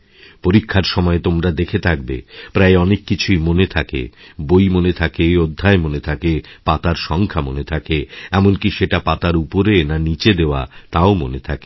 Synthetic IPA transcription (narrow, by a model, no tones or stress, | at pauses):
poɾikʰːaɾʃɔmɔet̪omɾad̪ekʰet̪ʰak̚bḛpɾaeɔnekːit͡ɕʰujmonet̪ʰakḛbojmonet̪ʰakeod̪ʱːaemonet̪ʰakepat̪aɾʃɔŋkʰamonet̪ʰakeɛmonkiʃeʈapat̪aɾupoɾenanit͡ɕed̪eoa̰t̪aomo̰net̪ʰake̥